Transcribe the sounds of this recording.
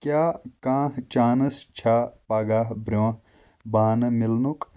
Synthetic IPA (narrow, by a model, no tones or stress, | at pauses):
kjaːkãːht͡ʃaːnɐst͡ʃʰaːpaːɡaːɦbɾʲoɐ̃ | baːnɐmilnuk